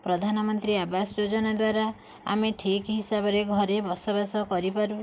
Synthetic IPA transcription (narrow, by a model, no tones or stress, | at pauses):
pɾɔd̪ʱanɔmɔnt̪ɾiabasjod͡ʒɔnad̪waɾa | a̰meʈʰikɦisabɔɾeɡʱɔɾebɔsɔbasɔkɔɾipaɾu